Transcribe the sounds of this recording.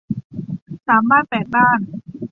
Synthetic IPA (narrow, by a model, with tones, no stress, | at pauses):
saː˩˦maː˥˩t̪̚pɛː˨˩t̪̚baː˥˩n